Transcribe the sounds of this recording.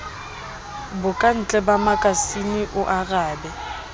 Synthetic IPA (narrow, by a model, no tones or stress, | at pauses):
bʊkʼan̩t͡ɬʼɛbamakʼasinɪʔʊʔaɣaːbɛ